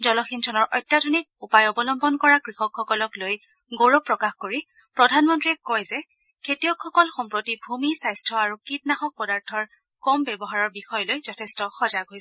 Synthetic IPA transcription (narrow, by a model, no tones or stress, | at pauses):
zɔlɔxintʰɔnɔɹʔɔjtːadonik̚upajɔbɔlɔmbɔnkɔɹakɹixɔkʰːɔkɔlɔkloj | ɡoɹɔpːɹɔkaxkoɹi | pɹɔdʱanmɔntɹiɛkɔjzɛ | kʰetiɔkʰːɔkɔlxɔmpɹotibʱumisajstʰɹɔaɹukit̚naxɔk̚pɔdaɹtʰɔɹ | kɔmbɛbɔɦaɹɔɹbixɔjɔlojzɔtʰɛstɔxɔzaɡɦoj